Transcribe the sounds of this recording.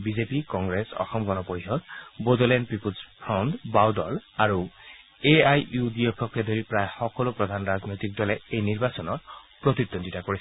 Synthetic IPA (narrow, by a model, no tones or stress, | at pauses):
bizepikɔŋɡɹesɔ̰xɔmɡɔnɔpojɦɔtbodɔlɛnpipuzpʰɔwndbawdɔlaɹu | eajudijɔkʰɔkːɛd̪ʱoɹipɹajxɔkɔlopɹɔd̪ʱanɹaznojt̪ik̚dɔlɛejniɹbasɔnɔtpɹot̪id̪ːonditakoɹis